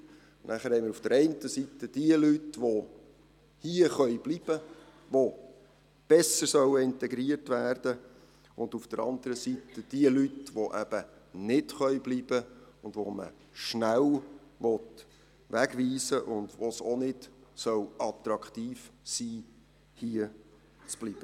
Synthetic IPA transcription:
nʔæχəɾhɛɪmɪːɾufd̥əɾɛɪntəsitəd̥iəlytʋo | hiəχœʏb̥liːb̥ə | ʋo | b̥ɛsəsœwəɪntɛɡɾiərtʋæːrd̥ə | ʊnd̪ufd̥əɾɑ̰nd̪əɾəsitəd̥iəlytʋoʔæb̥ənɪtχœjbliːb̥əʊndʋomə̰ | ʃnæwʋɔt | ʋæɡʋiːsəʔʊndʋosonɪdsœwɑt̪ɾɑkχt̪iːfsiː | hiə | t͡sb̥liːb̥ə

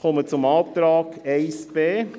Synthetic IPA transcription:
χɔmət͡sʊmɑːp̚t̪ɾɑːkɛɪsb̥eː

